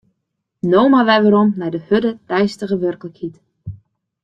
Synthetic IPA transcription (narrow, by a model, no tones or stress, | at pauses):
nowmaʋɛjʋəɾɔmnɛjdəhødətɛjstəɣəʋørkləkhit